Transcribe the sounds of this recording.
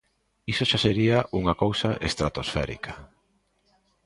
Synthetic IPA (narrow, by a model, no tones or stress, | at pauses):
isoʃaseɾiaʔuŋakowsaʔest̪ɾat̪osfɛ̰ɾḭkʰḁ